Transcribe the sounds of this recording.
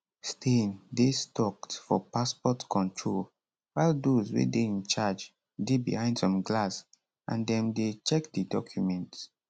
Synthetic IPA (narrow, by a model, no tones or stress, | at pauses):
stʰẽndestɔktfɔpaspɔtkʰɔ̃ntʰɹol | waɪldozwḛdeĩnt͡ʃad͡ʒ | debḭhãɪ̃ndsɔ̃mɡlas | ʔã̰ndɛ̃mdet͡ʃɛkdidɔkʰjumɛ̃nt